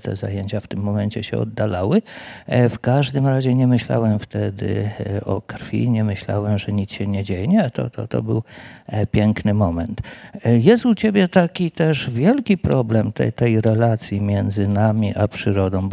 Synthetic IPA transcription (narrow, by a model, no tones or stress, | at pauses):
t̪ɛ̰za̰jeɲt͡ɕaft̪ɘmːɔmɛɲt͡ɕɛɕɛ̰ɔ̰d̪ːalawɘfkaʐd̪ɘmɾaʑɛɲɛmɘɕla̰wɛmft̪ɛd̪ɘ̰ɔ̰kɾfʲḭɲɛmɘɕla̰wɛmʐɛɲit̪t͡s̪ɕɛɲɛd͡ʑejɛɲɛt̪ɔ̰t̪ɔ̰t̪ɔ̰bɘwpʲjɛŋknɘmɔmɛnt̪jɛst̪ut͡ɕebʲjɛt̪akʲit̪ɛʂvʲjɛlkʲipɾɔblɛmt̪ɛ̰t̪ɛjɾɛlat̪sʲjimʲjɛnd̪zɘnamʲiʔapʂɘɾɔd̪ɔ̃w̃